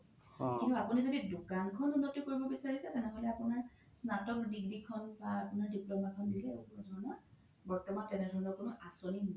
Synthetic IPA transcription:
kĩntuapunizodidukankʰɔnunːɔtːukoɹibɔbisaɹisɛtɛnɛɦolɛapʊnaɹ | snatɔkdiɡɹikʰɔnbaapunaɹdiplɔmakʰɔndilɛokunudʱɔɹɔnɔ | bɔɹtɔmantɛnɛdʱɔɹnɔɹkunʊʔasoni

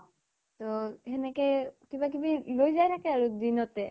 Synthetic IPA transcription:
t̪oɦenekekibak̬ibilojd͡ʑajɾʰakeaɾud̪inot̪e

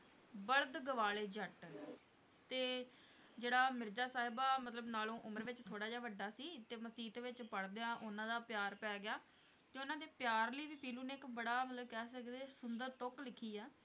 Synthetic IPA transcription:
bəɭd̪ɡəʋaːleːd͡ʒəʈ | t̪eː | d͡ʒeːɽaːmɪɾd͡ʒaːsaːɦɪbaːmət̪ləbnaːlõːʔʊməɾʋɪt͡ʃt̪ʰoːɽaːd͡ʒaːʋəɖːaːsiːt̪eːməsiːt̪eːʋɪt͡ʃpəɽd̪eːãːʔʊnãːd̪aːpɪjaːɾpɛːɡɪjaː | t̪eːʊnãːd̪eːpjaːɾləiːʋiːpiːlũːneːɪkbəɽaːmət̪ləbkɛːsəkd̪eːsʊnd̪əɾt̪oklɪkʰiːɛː

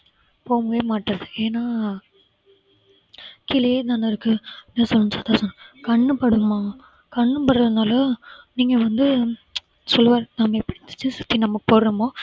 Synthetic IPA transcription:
poːmɐʋeːmaːʈːɐɾɐðɯeːnːaː | kɪlɐjeːd̪aːnɐɪɾɯkːɯneːsɔlːɐnsɐt̪ːaːsɐnːkɐɳːɯpɐɽɯmaː | kɐɳːɯpɐɽɾɐðɐnaːlɐniːŋɡɐʋɐnd̪ɯ | sɔlːʋaːɾnaːmɐɛpːɐɽɪt̪ːɯ̥t͡ʃːɯsʊt̪ːinɐmːɐkːɯpoːɾɾɯmoː

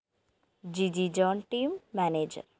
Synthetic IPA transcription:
d͡ʒid͡ʒid͡ʒɔːnʈiːmːɛneːd͡ʒə̰ɾ

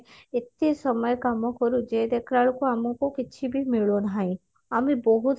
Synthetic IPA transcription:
ɪt̪ːisəməjkamõkɔɾud͡ʒeːd̪ekʰɾaːɭkoamũkokɪːʃʰibʱimɪɭonɦaĩ | amĩbɔɦut̪

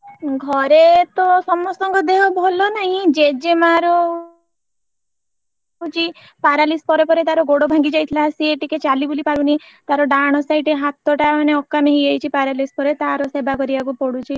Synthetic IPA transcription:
ɡʱɔɾet̪ɔsɔmɔst̪ɔŋɡɔd̪eɦɔbʱɔlɔnaɦĩd͡ʒed͡ʒemaɾɔ | ut͡ʃi | paɾalispɔɾepɔɾet̪aɾɔɡoɽobʱaŋɡid͡ʒajt̪ʰilasieʈiket͡ʃalibulipaɾunit̪aɾɔɖaɽ̃ɔsajʈeɦat̪ːɔʈamaneɔkːameɦiejt͡ʃʰipaɾalispɔɾet̪aɾɔsebʱakɔɾibakupɔɽut͡ʃʰi

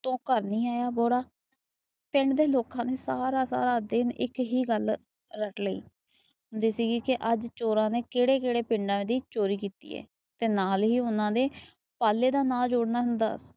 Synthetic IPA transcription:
t̪õːkəɾnĩːaːjaːboːɽaː | pɪɳɖd̪eːloːkãːneːsaːɾaːsa̰ːɾaːd̪ɪnɪ̰kɦiːɡəl | ɾəʈləḭː | ɦʊnd̪eːsiːɡiːkɪʔəd͡ʒt͡ʃoːɾãːneːkeːɽeːkeːɽeːpɪɳɖãːʋẽːd̪iːt͡ʃoːɾiːkiːt̪ḭːɛ̰ː | t̪eːnaːlɦiːʊnãːd̪eː | paːlːeːd̪aːnãːd͡ʒoːɽnaːɦʊnd̪a̰ːs

